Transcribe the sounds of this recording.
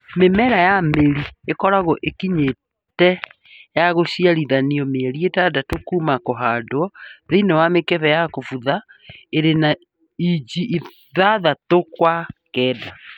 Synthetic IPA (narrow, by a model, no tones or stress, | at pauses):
memɛɾajameɾiekɔɾaɣɔʔekiɲe | tɛ | jaɣoʃiaɾiðaniɔmeɛɾietadatokuːmakoɦaːdoɔðeinɛwamekɛβɛjakofuðaeɾena | id͡ʑiʔi | ðaðatokwakɛːda